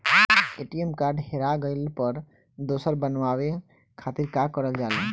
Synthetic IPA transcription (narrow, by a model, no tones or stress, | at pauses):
eʈiemkaːɾɖheɾaɡəɪlpəɾ | d̪oːsəɾbənʋawe | kʰaːt̪iɾkakəɾəld͡ʒaːle